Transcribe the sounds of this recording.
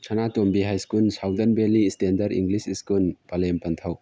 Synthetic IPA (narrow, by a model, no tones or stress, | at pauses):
kʰɐnatombiɦajskulsawdɐnbelistendɐɾḭŋɡlisiskulpalempɐnt̪ʰɐw